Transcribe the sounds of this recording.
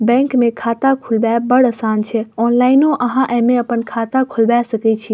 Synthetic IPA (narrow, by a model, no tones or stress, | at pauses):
bɛ̃ŋkmẽkʰat̪akʰulbɛbəɽəsaːnt͡ʃʰɛɔnlaːinoʔəɦãʔɛmẽəpənkʰat̪akʰulbɛsəkɛt͡ʃʰi